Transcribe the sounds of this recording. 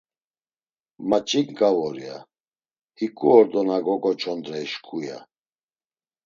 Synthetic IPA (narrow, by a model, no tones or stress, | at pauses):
mat͡ʃʼikɡʼavɔɾia | hikʼuɔɾd̪ɔnaɡɔkʼɔt͡ʃʰʼɔnd̪ɾɛiʃkʰʼuja̰